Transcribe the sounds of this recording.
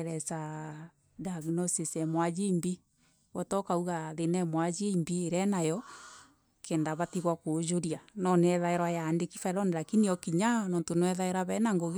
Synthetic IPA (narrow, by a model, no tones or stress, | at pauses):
ɾɛsa | daɣinɔsesɛmwad͡ʒembi | wɔtɔkauɣaðenɛmwad͡ʒembiːɾɛnajɔ | kʰɛndaβatiɣwakod͡ʒoɾjanɔneɛðaeɾwajandekifaeɾɔneɾakiniɔkiɲanɔntonwɛðaeɾaβɛnaŋɡoɣ